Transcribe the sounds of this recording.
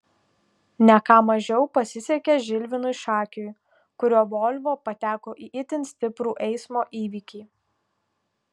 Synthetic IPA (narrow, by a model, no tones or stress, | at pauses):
nʲɛkɑːmɐʒʲɛʊpɐsʲɪsʲɛkʲeʒʲɪlʲʋʲɪnʊɪʃɑːkʲʊj | kʊɾʲoːʋoːlʲʋoːpɐt̪ʲæːkoːʔiːʔɪt̪ʲɪnʲsʲt̪ʲɪpɾuːʔɛɪsmoːʔiːʋʲiːkʲiː